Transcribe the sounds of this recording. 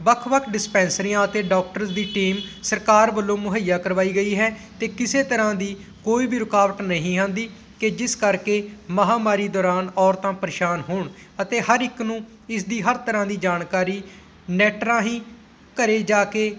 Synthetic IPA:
bəkʰbəkʰɖɪspɛ̃ːnsɾɪjãːət̪eːɖɔːk̚ʈəɾsd̪iːʈiːmsəɾkaːɾbəlːõːmʊɦəjːaːkəɾʋaːiːɡəiːɦɛːt̪eːkɪseːt̪əɾãːd̪iː | koːiːbiːɾʊkaːʋəʈnəɦĩːɦãːnd̪iː | ked͡ʒɪskəɾkeːməɦaːmaːɾiːd̪ɔːɾaːnɔːɾt̪ãːpəɾʃaːnɦoːɳ | ət̪eːɦəɾɪknũː | ɪsd̪iːɦəɾt̪əɾãːd̪iːd͡ʒaːnkaːɾiː | nɛːʈɾãːɦĩː | kəɾeːd͡ʒaːkeː

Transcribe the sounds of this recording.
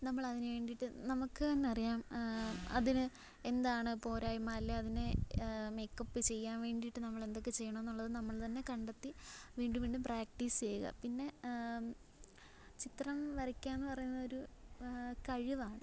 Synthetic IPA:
nɐmːɐɭɐðinɨʋe̞ːɳɖiʈːɨnɐmukːɨɐnːeɐrijaːm | ɐ̰ðinɨ | e̞nd̪aːɳɨpo̞ːɾaːjmːaːɐlːeɐðineme̞jkːɐpːɨt͡ɕe̞jːaːnʋe̞ːɳɖiʈːɨnɐmːɐɭe̞nd̪o̞kːet͡ɕe̞jːɐɳɐmenːuɭːɐðɨnɐmːɐɭt̪ɐnːe̞kɐɳɖet̪ːiʋiːɳɖumʋiːɳɖumpraːk̚ʈist͡ɕe̞juɣɐ̰pinːe̞ | t͡ɕit̪rɐmʋɐɾɐkʲːaːenːɨpɐrɐjunːɐðo̞ɾu | kɐɻiʋaːɳɨ

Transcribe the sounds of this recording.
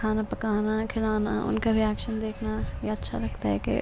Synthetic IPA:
kʰaːnapɐkaːnakʰɪlaːna̰ʔʊ̰nkaɾɪɛːkʃənd̪eːkʰnajeɐtːʃʰa̰ɾɐk̚ʰt̪aɦɛ̰kḛ

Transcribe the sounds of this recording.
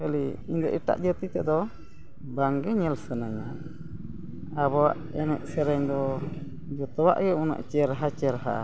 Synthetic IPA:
kəliiɲd̪ɔʔiʈa̰ʔd͡ʒət̪it̪ɛʔd̪ɔ | baŋɡɛɲɛlsənaɲa | aβɔaʔɛnɛʔ̚sɛɾɛɲd̪ɔ | d͡ʒɔt̪ɔwa̰ʔɡɛuna̰ʔt͡ʃɛɾɦat͡ʃɛɾɦa̰

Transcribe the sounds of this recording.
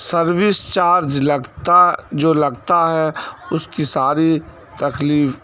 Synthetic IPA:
sɐɾwɪst͡ʃaːɾd͡ʒlɐɡt̪ad͡ʒoːlɐɡt̪aɦɛʊskisaːɾi | t̪ɐkliːf

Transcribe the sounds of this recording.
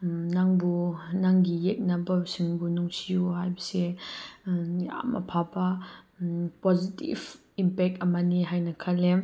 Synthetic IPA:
naŋbunaŋɡijɛk̚nabɐsiŋbunuŋsʰijuɦajbɐsɛ | ja̰mʔɐ̰pʰaba | pɔzitḭv | impɛk̚tamaniɦajnakʰalɛ

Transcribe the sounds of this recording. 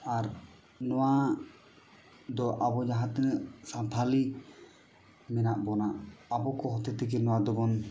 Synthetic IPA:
aɾ | nɔwa | d̪ɔʔabɔd͡ʒaɦãt̪ənəʔsat̪ʰali | mɛnaʔbɔnaʔabɔkɔɦɔt̪ɛt̪ɛkɛnɔwad̪ɔbɔn

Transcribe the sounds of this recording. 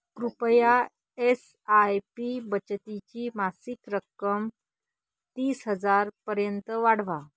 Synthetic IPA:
kɾupja | es | ajpibət͡ɕt̪it͡ɕiːmasikɾəkːəm | t̪iːsɦəd͡zaɾpəɾjənt̪əʋaɽ̤ʋa

